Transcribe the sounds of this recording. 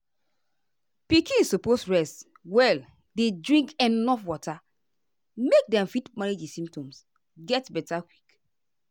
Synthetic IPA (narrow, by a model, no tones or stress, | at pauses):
pikĩnsuposɹɛst | wɛl | dedɹĩŋkɛnnɔfwɔtʰa | mek̚dɛ̃mfitmaɹed͡ʒisĩmp̚tɔ̃ms | ɡɛtbɛtakwik